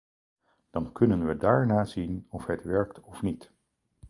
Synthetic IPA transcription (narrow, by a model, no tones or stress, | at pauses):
d̥ɑnkɵnənʋədaːɹnaːzinɔfɦətʋɛɹk̚tɔfnit